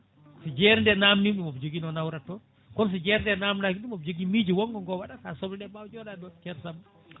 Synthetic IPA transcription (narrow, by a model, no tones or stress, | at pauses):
sid͡ʒɛɾndɛnamniɗimɔfd͡ʒoɡinɔnawɾatɔ | kɔns̬id͡ʒɛɾndɛnamnakiɗumofd͡ʒoɡimid͡ʒiwɔŋɡɔŋɡɔwaɗasasɔblɗɛɓawd͡ʒɔladɔt͡ʃɛɾsam